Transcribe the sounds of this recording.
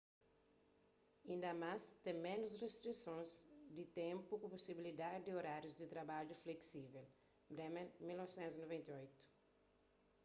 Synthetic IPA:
ĩnd̪ɐmast̪ẽmẽnʊsrest̪ɾisõnzd̪it̪ẽmpukuposibilid̪adid̪ioɾaɾjuzd̪it̪ɾabad͡ʒufleksivel | bɾɛmẽnmilnɔvisẽnt̪zinovẽnt̪eojt̪u̥

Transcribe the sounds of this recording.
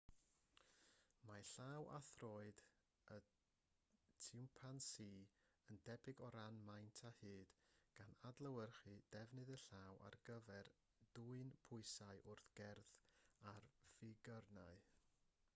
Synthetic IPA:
maɬawʔa̰θrɔːɨd | ə | tʰɪwmpʰansiːəndɛbɪɡɔɾanmajntʰahɨːd̥ɡ̥anadlˠəwərχɨd̥ɛvnɨðəɬawʔa̰rɡəvɛr | d̥uɨnpʰʊɨsaɨʔʊrθɡ̥ɛrðarvɪɡərnaɨ

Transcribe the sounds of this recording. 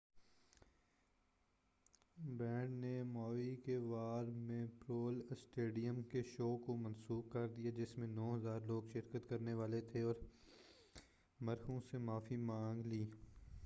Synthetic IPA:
bɛ̃ːɖnemɔːikeʋaːɾmẽpɾoːlsʈeːɖijəmkeʃoːkomɐ̃nsuːb̚kɐɾd̪ijad͡ʒɪsmẽnɔːɦɐzaːɾloːɡʃɪɾkət̪kɐɾneʋaːlet̪ʰeɔːɾ | mɐɾxõsemaːfimãːŋɡliː

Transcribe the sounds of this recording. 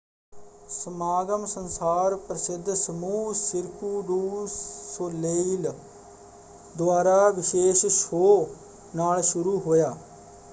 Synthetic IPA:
səmaːɡəmsənsaːɾpɾəsɪd̪ʱːsəmuːsɪɾkuːɖuːsoleil | d̪ʊwaːɾaːʋɪʃeːʃʃoː | naːlʃʊɾuːɦoːjaː

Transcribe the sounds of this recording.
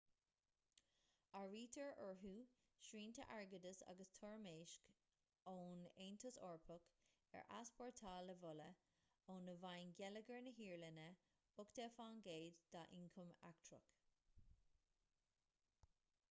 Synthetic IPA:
aɹiːt̪ʰəɹəɹɦuː | ʃɹiːnt̪ʰəʔaɹɡəd̪əsa̰ɡəst̪ʰɔɹmeːʃk | oːneːnt̪ʰəsɔːɹpʰʊk | ɛ̰ɹʔa̰spɔɹtʰaːləvʊlə | oːnəvajnɡɛləɡəɹnəɦiːɹlənə | ʊkd̪̥eːfaːnɡeːd̪d̪̥aːʔɪŋkʰʊma̰k̚tʰɹʊ̰k

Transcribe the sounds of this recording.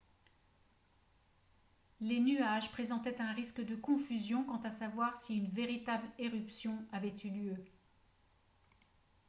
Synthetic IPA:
lenyaʒpχezɑ̃t̪ɛt̪ɛ̃ʁiskd̪əkɔ̃fyzjɔ̃kɑ̃t̪asavwaʁsiynveʁit̪ableʁypsjɔ̃avɛt̪yljø

